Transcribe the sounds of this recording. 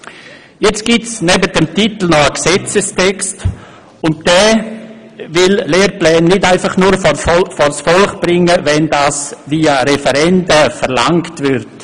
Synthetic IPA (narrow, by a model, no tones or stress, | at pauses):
jɛt͡st̚ɡ̥ɪtsnɛbətdəmtit̪l̩nɔəksɛt͡səstʰɛkst | ʊnt̚d̥ɛː | vɪlleːɾplɛːnːɪdaɪfaχnuːɾffɔsfɔlχb̥ɾɪŋəvɛndaːsviːaɾɛfɛɾɛndəfəɾlaŋktvɪɾt